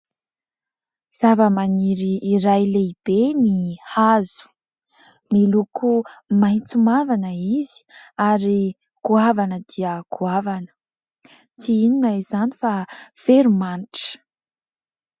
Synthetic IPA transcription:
z̥avəmaniɾiːɾajleib̥enihazu̥ | milukumajt͡sumavanəizi̥aɾi | kuavanəd̪iəkʰuavanə̥ | t͡siininaizani̥fafeɾumaniʈ͡ʂə̥

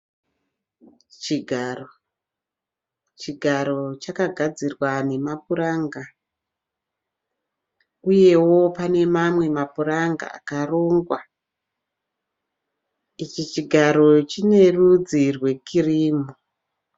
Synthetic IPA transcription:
t͡ʃiɡʱaro | t͡ʃiɡʱaɾo̞t͡ʃakaɡʱad͡zirwane̞mapuɾaŋɡa | uje̞wo̞pane̞mamwe̞mapuraŋɡa̰a̰karoːŋɡwa | it͡ʃit͡ʃiɡʱaɾo̞t͡ʃine̞rud͡zirwe̞kʰiriːmu

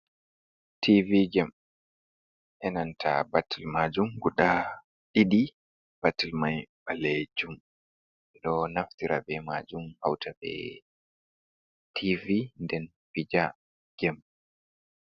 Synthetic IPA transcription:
tʰiviɡɛm | ʔɛnantʰa̰batilmad͡ʒumɡuɗa | ɗiɗi | b̥atilmajbalɛd͡ʒum | ɛɗɔnaftiɾa̰bɛmad͡ʒumhawtʰabɛ̰ | tʰivindɛn | fid͡ʒa | ɡ̥ɛm

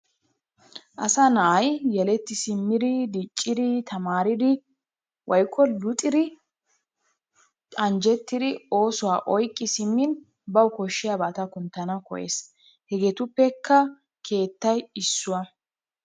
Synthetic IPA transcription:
ʔɐsɐnɐʔɐjjɛlɛt̪ːɪsɪmːɪd̪ɪd̪it͡ʃʼːɪd̪ɪt̪ʰɐmaːɾɪd̪ɪ | wʔɐjkʼːɔlʊt̪ʼɪd̪ɪ | ɐnd͡ʒɛt̪ːɪd̪ɪo̞ːsʊwaːʔɔjkʼːɪsɪmːɪn | bɐwkɔʃːɪjabaːt̪ɐkʊnt̪ːɐnɐkɔ̰ʔḛːs | hɛɡet̪ʊpːɛkːɐ | kʰe̞ːt̪ːɐjɪsːʊwɐ

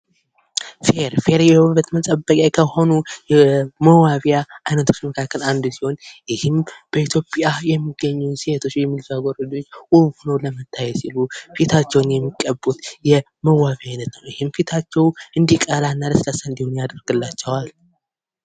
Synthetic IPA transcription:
feɾfe̞ɾjɛwβət̪mət̪ʼəbːəkʼjajkʰəhonujɛməwaβjaʔajnət̪ʰo̞̥t͡ʃːməkʰakːəland̪usiho̞njɪhɨmb̥əit̪ʰjo̞pʼjajɛmːiɡːəɲːuset̪ʰo̞t͡ʃːjɛmːilzaɡoɾəd͡ʒo̞t͡ʃːwuβunəwləmət̪ʰːajɛsilufit̪ʰat͡ʃːɛwnjɛmːikʼːəbːut̪jɛ | məwaβjajnət̪nəwjɪhɨmfit̪ʰat͡ʃːɛwʔɨnd̪ikʼalanːaləslasaɨnd̪ihonjad̪əɾɡɨlːat͡ʃːɛwal

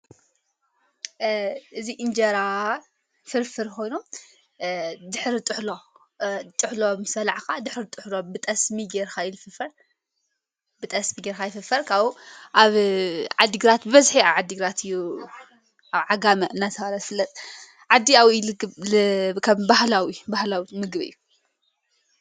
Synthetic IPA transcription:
ʔɨziʔɨnd͡ʒɐɾa | fɨɾfɨɾkʰo̞jnu | d̪ɨħɾit̪ʼɨħlo | t̪ʼɨħlomɨsɐlaʕxad̪ɨħɾit̪ʼɨħlobɨt̪ʼɐsmiɡeɾxajlfɨfɐɾ | bɨt̪ʼɐsmiɡeɾxajɪfɨfɐɾkʰaβʔaβʕad̪ːiɡɨɾat̪bɨβɐzħiaβʕad̪ːiɡɨɾat̪ʰɨjːu | aβʕaɡamɐɨnːat̪ʰɐβalat̪fɨlːɐt̪ʼ | ʕad̪ːiawilɨɡɨβlɨkʰɐmbahlawibahlawimɨɡβɨ̰jːu

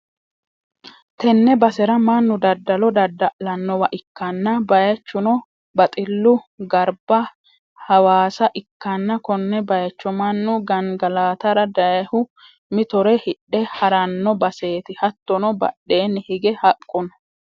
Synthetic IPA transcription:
t̪ɛnːɛbɐsɛɾɐmɐnːʊd̪ɐd̪ːɐlɔd̪ɐd̪ːɐʔlɐnːɔwɐʔɪkːɐnːɐbɐjɐt͡ʃːʊnɔ | bɐt̪ʼɪlːʊɡɐɾbɐ | hɐwaːsɐʔɪkːɐnːɐkɔnːɛbɐjɐt͡ʃːɔmɐnːʊɡɐŋɡɐlaːt̪ɐɾɐd̪ɐjɐhʊ | mɪt̪ɔɾɛhɪɗːɛhɐɾɐnːɔbɐse̞ːt̪ɪhɐt̪ːɔnɔbɐ̰ɗːe̞ːnːɪhɪɡɛhɐkʼːʊnɔ̥

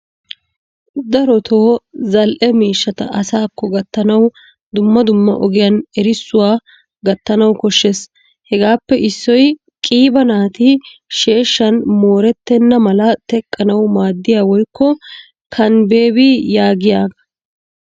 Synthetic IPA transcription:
d̪ɐɾɔt̪ʰo̞ːzɐlʔɛmiːʃːɐt̪ɐ̰ɐsaːkːɔɡɐt̪ːɐnɐw | d̪ʊmːɐd̪ʊmːɐ̰ʔɔɡɪjɐnɛɾɪsːʊwaː | ɡɐt̪ːɐnɐwkɔʃːes | hɛɡaːpːɛʔɪsːɔj | kʼiːbɐnaːt̪ɪʃe̞ːʃːɐnmoːɾɛt̪ːɛnːɐmɐlɐt̪ɛkʼːɐnɐwmaːd̪ːɪjaːwɔjkːɔ | kʰɐnbe̞ːbijaːɡɪjaːɡɐ̥

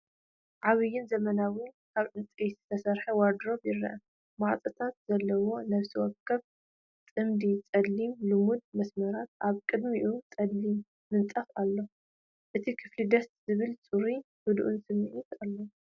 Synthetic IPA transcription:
ʕaβɨjːɪnzɐmɐnawikʰaβʔɨnt͡sʼejzɨt̪ʰɐsɐɾħɐwaɾd̪ɾo̞βjɪɾːɐ̰ʔɐ | maʕt̪ʼɨt̪ʰat̪zɐlːɐwo̞nɐβsiwɔkʰːɐβ | t̪ʼɨmd̪it͡sʼɐd̪limlɨmud̪̚mɐsmɐɾat̪ʔaβkʼɨd̪miʔut͡sʼɐd̪limː | ɨnt̪ʼɐfalːo̞ | ʔɨt̪ʰikʰɨflid̪ɐst̪zɨβɨlt͡sʼuɾi | hɨd̪ʔunsɨmːɨʕit̪alːo

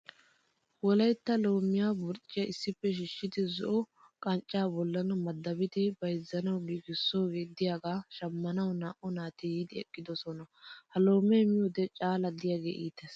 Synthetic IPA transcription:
wɔlɐjt̪ːɐloːmːɪjaːbʊɾt͡ʃʼːɪjɐʔɪsːɪpːɛʃɪʃːɪd̪ɪzɔʔɔ | kʼɐnt͡ʃʼːaːbɔlːɐnɐmɐd̪ːɐbɪt̪ɪbɐjzːɐnɐwɡiːɡɪsːo̞ːɡeːd̪ɪjaːɡaːʃɐmːɐnɐwnaːʔɔnaːt̪ɪjid̪ɪɛkʼːɪd̪ɔsɔnɐhɐlo̞ːmɛmɪjod̪ɛt͡ʃʼaːlɐd̪ɪjaɡḛːʔiːt̪ːɛs

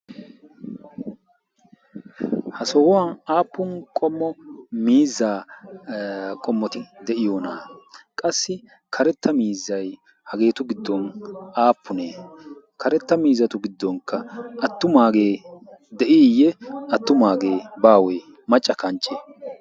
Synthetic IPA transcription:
hɐsɔwwɐnaːpːʊnkʼɔmːɔmiːzːaː | kʼɔmːɔt̪ɪd̪ɛʔɪjoːnaːkʼɐsːɪ | kʰɐɾɛt̪ːɐmiːzːɐj | hɐɡe̞ːt̪ʊɡɪd̪ːɔnaːpːʊneː | kʰɐɾɛt̪ːɐmiːzːɐt̪ʊɡɪd̪ːɔŋkːɐʔɐt̪ːʊmaːɡeːd̪ɛʔiːjɛɐt̪ːʊmaːɡe̞ːbaːwɔj | mɐt͡ʃʼːɐkɐnt͡ʃʼːe

